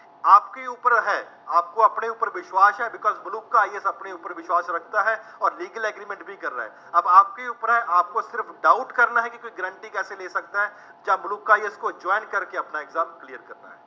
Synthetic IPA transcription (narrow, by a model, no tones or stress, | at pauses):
aːpkeuːpəɾɦɛːaːp̚koɐpneuːpəɾʋɪʃwaːsɦɛbɪkɔːzmʊlukːaaːiesɐpneuːpəɾʋɪʃwaːsɾɐkʰt̪aɦɛɔːɾliːɡəlɛɡɾiːmɛ̃ɳʈbʱikɐɾːa̰ɦɛ | ɐbaːp̚keuːpəɾɦɛʔaːp̚kosɪɾfɖaːʊʈkɐɾnaɦɛkikoːiɡɐɾə̃ɳʈikɛːseleːsɐk̚t̪aɦɛ | d͡ʒãmʊluːkːaːieskod͡ʒɔːɪnkɐɾkeɐpnaeɡzãːmklijəɾkɐɾna̰ɦɛ̰ː